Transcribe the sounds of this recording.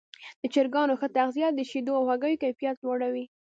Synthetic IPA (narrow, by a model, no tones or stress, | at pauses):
d̪̥ət͡ʃɪɾɡɑnoxət̪aɣzijɑd̪əʃid̪oawɣaɡəjokajfijat̪̚loɽawi